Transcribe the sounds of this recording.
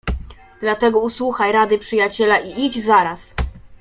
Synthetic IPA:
d̪̥lat̪ɛɡɔuswuxajɾad̪ɘpʂɘjat͡ɕɛlaʔiʔid͡ʑzaɾas

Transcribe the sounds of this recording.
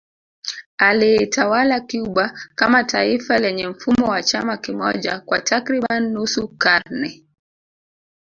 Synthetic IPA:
aliɛtawalakiuɓakamatʰaifalɛɲɛm̩fumɔwat͡ʃamakimɔ̰ʄa̰kwa̰tʰakɾiɓanːusukaɾnɛ

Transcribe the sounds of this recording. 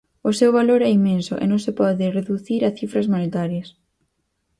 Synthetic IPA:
ʊsewβaloɾɛimẽnsʊʔḛnõŋsɪpɔðɪreðuθiɾaθifɾɐzmonet̪aɾjɐs

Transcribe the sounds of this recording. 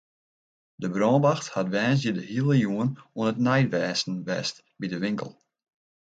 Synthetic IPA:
dəbrɔːnbaxthatʋɛːns̬jədəhiəlˠəjuənuənətnɛjtʋɛːsn̩ʋɛ̰ːst | bidəʋɪŋkə̰lˠ

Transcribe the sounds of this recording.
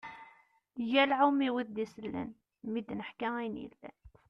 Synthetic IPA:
ʝælʕumiwəθd̪isəlːə̰n | mid̪nəħkæinḭlːæ̰

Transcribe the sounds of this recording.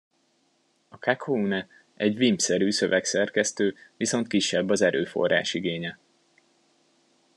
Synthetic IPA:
ɒkʰakʰounɛ | ɛɟʋimpsɛɾyːsøvɛksɛrkɛst̪øːʋiso̞nt̪̚kiʃːɛbːɒzɛɾø̰ːfo̞̰ra̰ːʃiɡeːɲɛ

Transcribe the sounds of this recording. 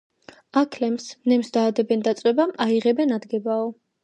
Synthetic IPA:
akʰlɛmsmnɛmsd̪aːd̪ɛbɛnd̪at̪sʼwɛbamaiʁɛbɛnad̪ɡɛbaɔ

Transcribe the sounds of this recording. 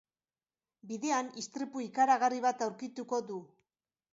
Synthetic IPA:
biðe̞anist̪ɾipuikaɾaɣariβat̪awɾkit̪uko̞ðu

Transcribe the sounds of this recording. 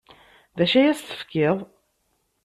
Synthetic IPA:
ðæʃæjæsθə̥fkɪðˤ

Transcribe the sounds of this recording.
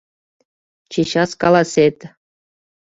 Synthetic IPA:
t͡ɕeɕɑskɑlˠɑsʲet̪ʲ

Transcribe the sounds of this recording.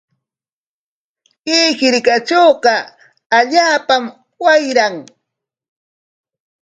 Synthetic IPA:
kiːxɪɾkat͡ʃoːɢɑ | aʎaːpam | wajɾaŋ

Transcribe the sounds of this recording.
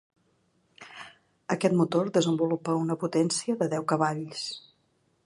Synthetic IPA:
əkɛt̪mut̪orðəzəmbulupəunəput̪ɛnsiəðəðɛwkəβaʎs

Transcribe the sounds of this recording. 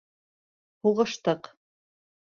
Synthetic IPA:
huʁɤ̆ʃt̪ɤq

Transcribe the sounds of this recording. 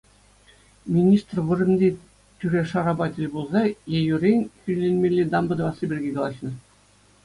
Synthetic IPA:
mʲinʲist̪rʋɯ̆rɘ̆nʲdʲe | t̪ʲyɾʲeʂɑɾɑbɑtʲilʲbulˠzɑjejuɾʲenʲkʲylʲenʲmʲelʲːed̪ɑmbɤ̆d̪ɤ̆ʋɑsɤbʲirʲɡʲeɡɑlˠɑɕnɤ̆

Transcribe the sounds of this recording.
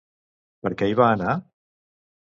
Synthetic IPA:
pəɾkɛiβaːna

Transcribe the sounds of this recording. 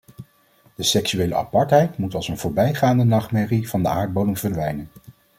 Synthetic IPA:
d̥əsɛksyʋejlə̰ʔɑ̰pɑɹtɦɛjtmutɑlˠsənvʊːɹbɛjχaːndənɑχmɛriv̥ɑndəaːɹt̚bowdəŋv̥ədʋɛjnən

